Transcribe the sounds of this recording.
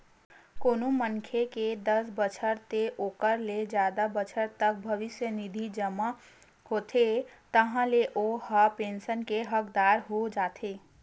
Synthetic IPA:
koːnoməŋkʰeked̪əsbət͡ʃʰəɾt̪eʔoːkəɾled͡ʒjaːd̪abət͡ʃʰəɾt̪ək̚bʱəʋɪsjənɪd̪ʱid͡ʒəma | hoːt̪ʰet̪əɦãleʔohapẽːnsənkeɦəkd̪aːɾɦod͡ʒaːt̪ʰeː

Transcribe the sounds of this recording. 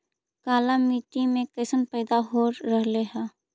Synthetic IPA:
kaːlamiːʈimẽkəːsənpɛːd̪aɦoːɾːəɦleɦɛː

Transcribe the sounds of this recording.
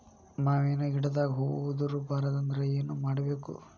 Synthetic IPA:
maːʋeːnuiɽɐd̪aːɡɐɦoːɡʋud̪uɾubʱaːɾɐd̪ɐnd̪ɐɾɐeːnumaːɽɐbe̞ːkṵ

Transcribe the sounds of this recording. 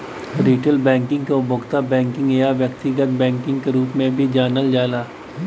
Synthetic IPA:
ɾiːʈəlbɛ̃ːŋkɪ̃ŋɡkoʊbʱʊɡt̪abɛ̃ːŋkɪ̃ŋɡejaʋjəkt̪ɪɡət̪̚bɛ̃ːŋkɪ̃ŋɡkeɾuːpmẽbʱid͡ʒaːnəld͡ʒaːlaː

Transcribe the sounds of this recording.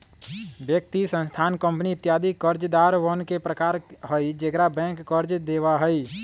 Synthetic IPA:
bjək̚t̪isə̃nst̪ʰaːnkə̃mpnit̪jaːd̪ʱikːəɾd͡ʒd̪aɾʋənkepɾəkaːɾɦəid͡ʒəkɾabɛ̃ŋkːəɾd͡ʒd̪eːwaɦəi

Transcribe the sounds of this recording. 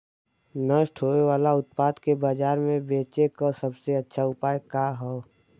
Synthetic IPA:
nəʃʈʰɦoːeʋaːlaʊt̪̚paːd̪kebaːd͡ʒaːɾmẽbeːt͡ʃekasəbseɐtːʃʰaʊpaːjkaɦɛː

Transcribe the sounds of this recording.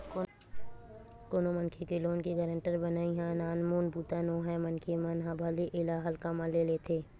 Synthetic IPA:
koːnomənkʰikeloːnkiɡəɾə̃ɳʈəɾbənaːiɦãnaːnmuːnbuːt̪anoːɦɛmɐnkʰemɐnɦãbʱaːliʔɪlaɦəlkamãleːlet̪ʰeː

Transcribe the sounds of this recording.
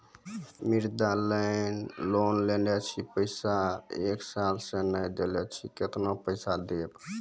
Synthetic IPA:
miɾd̪alənlonlenɛt͡ʃʰipəɪsaeksalsẽnəjd̪elɛt͡ʃʰiket̪nopəɪsad̪eb

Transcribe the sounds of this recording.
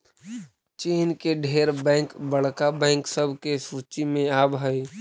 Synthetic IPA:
t͡ʃiːnkeɖʱeːɾbɛ̃ːkbəɽ̤kabɛ̃ːŋksəbʱkesuːt͡ʃimẽaːbɦəi

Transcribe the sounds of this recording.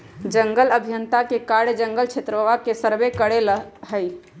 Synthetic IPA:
d͡ʒəŋɡələbʱjənt̪akekaɽd͡ʒəŋɡəlt͡ʃʰet̪ɾəəʋakesəɾbekəɽelɦəj

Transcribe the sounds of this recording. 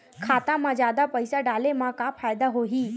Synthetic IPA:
kʰat̪ãmad͡ʑad̪apəjsaɖalemakafʰajd̪aɦoɦiː

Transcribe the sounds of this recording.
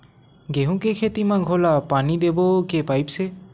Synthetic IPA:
ɡeɦũkekʰet̪imãɡʱolapanid̪ebɔkepajpse

